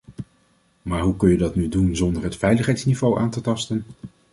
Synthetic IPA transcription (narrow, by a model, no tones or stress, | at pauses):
maːɹɦukɵnjədɑtnydunzɔndəɹɦətfɛjləχɦɛjtsnivowʔaːntətɑstən